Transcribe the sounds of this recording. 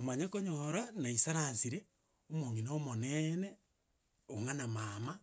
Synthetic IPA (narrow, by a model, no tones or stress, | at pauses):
omaɲakoɲoɾanaisaɾansiɾe | omoŋinoomonɛne | oŋanamama